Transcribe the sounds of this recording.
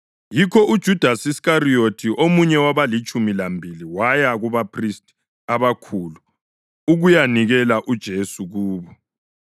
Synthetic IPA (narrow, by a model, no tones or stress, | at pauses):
jikʰɔʔud̥ʒ̥ʱud̥ʱasiskariotʰiʔomuɲɛwaβalit͡ʃʼumilambʱiliwajaɣuβapʰristʼ | aβakʰulu | uɣujaniɣɛlaʔud̥ʒ̥ʱesuɣuːβɔ